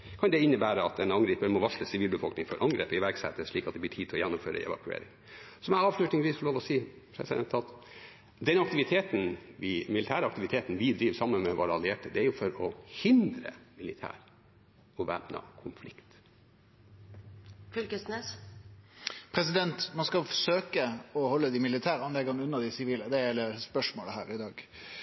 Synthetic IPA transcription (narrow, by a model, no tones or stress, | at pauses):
kʰɑnd̪ɛɪnːəbæːɾəɑt̪̚ɛnɑŋɡɾiːpəmɔʋɑʂləsɪʋiːlbəfɔlknɪŋfɔɾʔɑŋɡɾḛːpəɪʋæɾɡsɛt̪ːəʂɭiːkɑt̪̚d̪ɛbliːʈʰiːt̪ʰɔjɛnːʊmføːɾə̰ɛ̰ʋɑ̰kʉḛːɾɪ̰ŋ | sɔmæɑːʋʂlʉt̪nɪŋʋiːsfɔɭoːʋɔsiː | pʰɾɛ̰sɪd̪ɛ̰nt̪ɑt̪ | d̪ɛnɑkt̪ɪʋɪt̪ʰeːt̪n̩ʋɪmɪlɪt̪ʰæːɾəɑkt̪ɪʋɪt̪ʰeːt̪n̩ʋɪd̪ɾiːʋsɑmːənmɛʋo̰ːɾɑlɪeːʈəd̪ɛæɾjʊfɔɾɔhɪnd̪ɾə̰mɪlɪt̪ʰæ̰ːɾ | ɔʋæ̰pnɑ̰kʰʊmflɪkt̪ | fylkəsneːs | pʰɾɛsɪd̪ɛnt̪mɑnskɑfɔʂøːkəɔhɔlːəd̪iːmɪlɪt̪ʰæːɾɑnlɛɡɑnəʉnːəd̪ɪsɪʋiːləd̪ɛjɛləspœʂmoːləhæːɾɪd̪ɑːɡ